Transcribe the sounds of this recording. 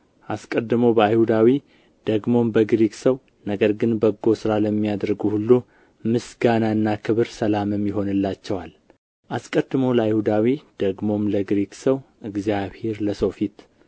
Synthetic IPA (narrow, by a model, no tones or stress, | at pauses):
ʔaskʼəd̪ːɨmowbəajhud̪awi | d̪̥əɡmo̞mbəɡɾiksəw | nəɡəɾɡɨnbəɡːo̞sɨɾaləmːijad̪ɾɡuhulːu | mɨsɡanaɨnːakʰɨβɨɾsəlamɨmːjɪɦo̞nɨlːat͡ʃːɛwal | ʔaskʼəd̪ːɨmoləajhud̪awid̪̥əɡmo̞mləɡɾiksəwʔɨɡzijaβhe̞ɾləsofit̪